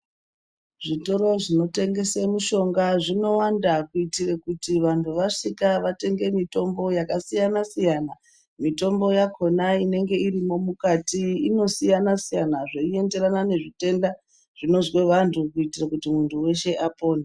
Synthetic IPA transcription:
ʐito̞ɾo̞ʐino̞te̞ŋɡe̞semuʃo̞ŋɡaʐino̞wandakuitirekutiʋantʰuʋaʂikaʋate̞ŋɡe̞mito̞mbo̞jakasijanasijana | mito̞mbo̞jakʰo̞naine̞ŋɡe̞iɾimo̞mukatiːno̞sijanasijanaʐeie̞nde̞ɾanane̞ʐite̞nda | ʐ̥ino̞zwe̞ʋantʰukuitirakutimuntʰuwe̞ʃe̞ʔapo̞ːna

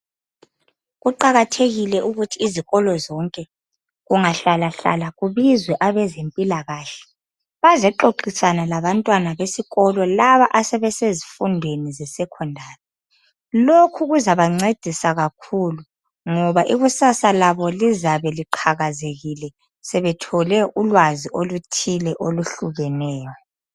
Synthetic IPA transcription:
ɣuǃaɣatʰeɣilɛʔuɣutʰiːziɣɔlɔzɔŋkʼɛ | ɣuŋaɬalaɬa̰laɣuβizwɛʔaβɛzempʼilaɣaːɬɛ̥ | βazɛǃoǃisanalaβantʼwanaβesiɣɔlɔlaβaʔasɛβɛsezifundʱwenizɛsɛkʰɔndʱaːrɛ | lokʰuɣuzaβaŋ͡ǀed̥ʱisaɣakʰulu | ŋɔβaʔiɣusasalaβɔlizaβɛliǃʰaɣazeɣilɛ | sɛβɛtʰɔlɛʔulwaziʔolutʰilɛʔoluɬuɣɛnɛːjɔ

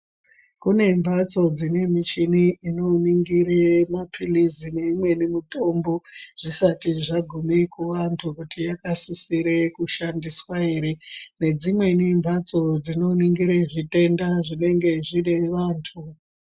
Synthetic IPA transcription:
kune̞mbʱat͡so̞d͡zine̞mit͡ʃiniino̞niŋɡiɾemapʰilizineimwe̞nimuto̞mboʐ̥isatiʐaɡʱumekuʋantʰukutijakasisiɾe̞kuʃandiswae̞ɾe̞ne̞d͡zimwe̞nimbʱat͡so̞d͡zino̞niŋɡiɾeʐite̞ndaʐine̞ŋɡe̞ʐine̞ʋaːntʰu

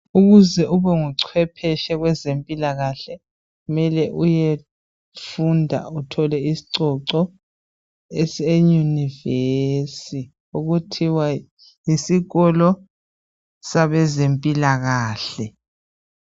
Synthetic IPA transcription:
uɣuzɛʔuβɛŋuǀʰwɛpʰɛʃɛɣwɛzempʼilaɣaɬɛ | ɣumɛlɛʔuje | fundʱa̰utʰɔlɛisi̥ǀɔǀɔ | ɛsejunivesi | uɣutʰiwa | jisiɣɔlɔ | saβɛzempʼilaɣaːɬɛ

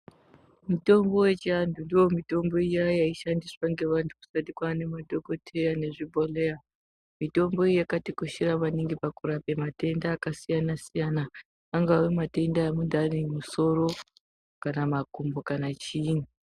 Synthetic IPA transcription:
muto̞mbo̞we̞t͡ʃiantʰundijo̞mito̞mbo̞ijajaiʃandiswaŋɡe̞ʋantʰuku̥satikwane̞madʱo̞ko̞tʰe̞jane̞ʐibʱo̞lea | mito̞mbo̞ijakatikuʃiɾamaniŋɡipakuɾape̞mate̞ndaːkasijanasijanaː | ŋɡawemate̞ndaamundanimuso̞ɾo̞ | kanamakumbokanat͡ʃiːnu

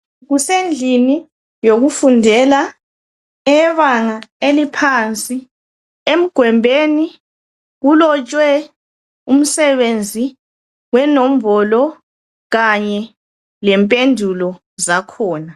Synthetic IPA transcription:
ɣusend͡ɮʱini | joɣufundʱɛla | ɛβaŋaelipʰant͡sʼi | em̩ɡ̥ʱwɛmbʱeni | ɣulɔt͡ʃʼwɛ | um̩sɛβend͡zʱi | wɛnom̩bɔlɔ | ɣaɲɛ | lɛmpʼendʱulɔ | zakʰɔːna

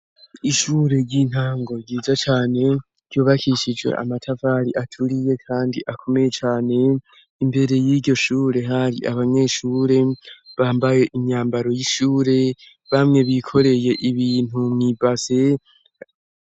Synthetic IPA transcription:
iʃuːɾe̞ɾɟin̥haːŋɡo̞ɾɟiːzat͡ʃaːne̞ | ɾjuːβakʰiʃid͡ʒwḛʔa̰matʰavaɾiʔatʰuɾije̞kʰaːndiʔakʰo̞me̞je̞t͡ʃaːne̞ | imbe̞ɾe̞jiɾɟo̞ʃuːɾe̞ɦaɾḭʔa̰βaɲe̞ːʃuːɾe̞βaːmbaje̞ʔiɲaːmbaɾo̞jiʃuːɾe̞ | βamŋe̞βikʰo̞ɾe̞je̞ʔiβiːn̥umŋibaze̞

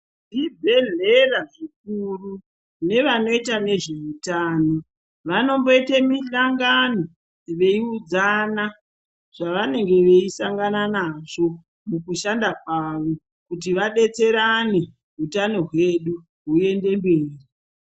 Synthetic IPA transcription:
nibʱe̞ɮe̞raʐik̚uru | ne̞ʋano̞itane̞ʐe̞utaːno̞ | ʋano̞mbo̞itemiɬaŋɡano̞ | ʋeiud͡zana | ʐ̥aʋane̞ŋɡe̞ʋe̞isaŋɡananaʐo̞ | mukuʃandak̚waʋo̞ | kut̬iʋaɗe̞t͡se̞ɾane | ɦutano̞ɦwe̞ɗu | ɦue̞nde̞mbeːri

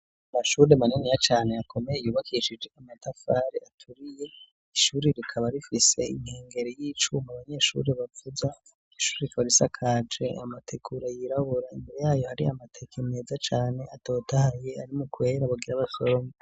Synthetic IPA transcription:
amaʃuːɾemaninijat͡ʃaːneakʰo̞mejejuːβakʰiʃid͡ʒe̞amatafaːɾḛatʰuɾije̞ | iʃuːɾiɾikʰaβaɾifise̞̰ḭŋ̥heːŋɡe̞ɾejiːt͡ʃumaβaɲe̞ʃṵːɾeβavuza | iʃuːɾeikoɾisakʰad͡ʒe̞amatʰekʰuɾajiɾaβoɾaimiɾjaːjohaɾiamatʰekʰemeːzat͡ʃaːne̞ʔato̞ːtahaje̞aɾimukwe̞ːɾaβaɡiɾaβasoɾoŋa

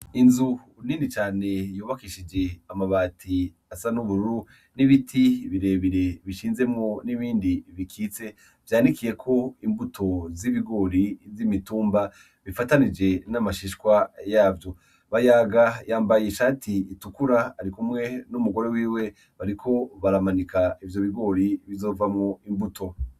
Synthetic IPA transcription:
inzu | ninit͡ʃaːne̞juːβakiʃid͡ʒe̞amaβaːtʰi | asanuβuɾuɾu | niβitʰiβiɾe̞ːβiɾe̞βiʃiːnze̞mŋo̞niβiːndiβikʰiːt͡se̞ | vjaːndikije̞kʰo̞imbutʰo̞ziβiɡo̞ɾizimituːmba | βifatanid͡ʒe̞namaʃiʃkwajaːvjo̞ | βajaɡajaːmbajeʃaːtʰiːtukuɾaːɾikumŋe̞numuɡo̞ɾe̞wiːwe̞ | βaɾikʰo̞βaɾamanikaivjo̞βiɡo̞ɾiβizo̞vamŋo̞imbutʰo̞

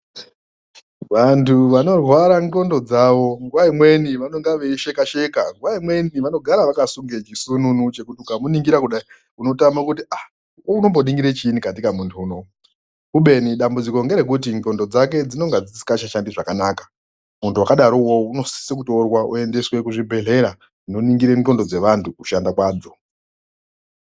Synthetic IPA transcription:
ʋantʰuʋano̞rwaɾaŋko̞ndo̞d͡zaːʋo̞ŋɡuʋaimwe̞niʋano̞ŋɡaʋeʃe̞kaʃe̞kaŋɡuʋaimwe̞niʋano̞ɡʱaɾaʋakasuŋɡet͡ʃisununut͡ʃe̞kutiukamuniŋɡiɾakuɗai | uno̞tamakutiʔa | wouno̞mbo̞ɗiŋɡiɾet͡ʃiːnikatikamuntʰuːno | uɓe̞niɗambud͡ziko̞ŋɡeɾek̬ut̬into̞ndo̞d͡zake̞d͡zino̞ŋɡad͡zit͡si̥kaʃaʃandiʐakanaːkḁ | muntuwakaɗaɾowouno̞si̥sek̬utorwaʔṵe̞nde̞swe̞kuʐibʱe̞ɮe̞ɾa | ino̞niŋɡiɾento̞ndo̞d͡ze̞ʋantʰukuʃandakwaːd͡zo̞

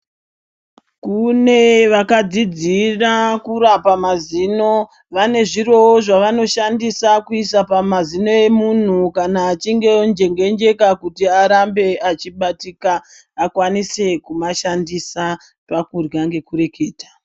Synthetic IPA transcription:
kune̞ʋakad͡zid͡zirakuɾapamaziːno̞ | ʋane̞ʐiro̞ʐaʋano̞ʃandisakuisapamazino̞e̞mun̤ukanaːt͡ʃiŋɡe̞nd͡ʒe̞ŋɡe̞nd͡ʒe̞kakutiaɾambe̞at͡ʃiɓatikaː | kwanise̞kumaʃandisa | pakurɡaŋɡe̞kuɾe̞ke̞ːtḁ

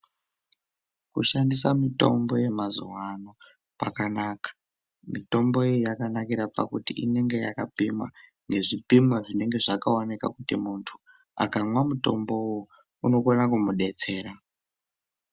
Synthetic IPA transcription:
kuʃandisamito̞̰mbo̞je̞mazṵwano̞ | pa̰kanaːkḁ | mito̞mbo̞ejijakanakiɾapa̰kutiʔine̞ŋɡe̞jakapimwa̰ | ŋɡe̞ʐipimwaʐine̞ŋɡe̞ʐakaonika̰kutimuntʰu̥ | a̰kamwamuto̞mbo̞wo | uno̞konakumuɗe̞t͡se̞ːɾa

